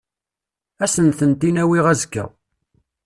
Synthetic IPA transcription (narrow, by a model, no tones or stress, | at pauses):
æsənθənt̪inæwiʁæzəkːæ̰